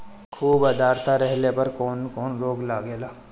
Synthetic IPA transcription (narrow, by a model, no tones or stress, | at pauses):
kʰuːbɐd̪aːɾt̪ʰaɾɛɦlepɐɾkɔːnkɔːnɾoːɡlaːɡeːlaː